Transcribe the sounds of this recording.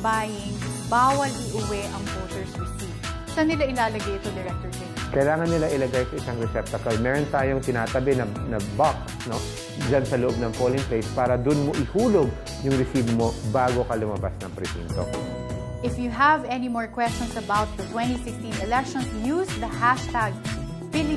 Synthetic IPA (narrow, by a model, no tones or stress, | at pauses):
bajɪŋbawɐlʔɪʔʊwɛʔɐŋvowt̪əɹsɹɪsiv | sɐnɪlaɪlaːlɐɡajɪt̪od̪ɛɹɛk̚t̪ɔɹsɪkɐjlaːŋɐnːɪlaʔɪlɐɡajsɐʔɪsaŋɾɛsɛp̚t̪ɐkɐlmɛːɾont̪aːjoŋt̪ɪnaːt̪ɐbɛnɐnɐbaksno̞ | d͡ʒansɐloʔob̚nɐŋpolɪŋpejspaːɾɐd̪ʊnmoʔɪhuːloɡ̚ | jʊŋɾɛsiːbmo̞baːɡo̞kɐlʊmɐbasnɐŋpɾɛbḭnt̪o̰ | ʔɪfjuɦɐvɛnimoɹkwɛst͡ʃɔ̃nsɐbawt̪̚ðɐt̪wɛ̃nt̪isɪkst̪ĩnɛlɛk̚ʃɔnsjusðɐhaʃt̪aɡ̚ | bɪli